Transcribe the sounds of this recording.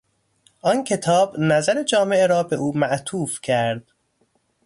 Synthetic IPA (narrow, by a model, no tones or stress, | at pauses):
ʔɒncʰe̞t̪ʰɒːbnæzæɾe̞d͡ʒɒːme̞ʔeɾɒːbe̞ʔuːmæʔt̪ʰuːfcʰæɾd̪̥